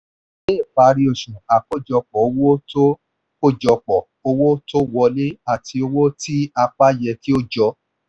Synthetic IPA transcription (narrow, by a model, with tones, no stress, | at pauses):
leː˦˨k͡pa˨˧˦ɾi˧˦o˨ʃũ˨a˨ko˦˨d͡ʒɔ˧k͡pɔ˨o˧wo˦to˦ | ko˦˨d͡ʒɔ˧k͡pɔ˨ | o˧wo˦to˦wɔ˧le˦a˦˨tʰi˧o˧wo˦ti˦a˧k͡pa˦jɛ˧ki˦o˦d͡ʒɔ˧˦